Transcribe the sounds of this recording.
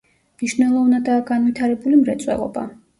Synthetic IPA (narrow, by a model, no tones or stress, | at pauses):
mniʃnɛlˠɔvnad̪aːɡanvit̪ʰaɾɛbulimɾɛt̪sʼwɛ̰lˠɔ̰ba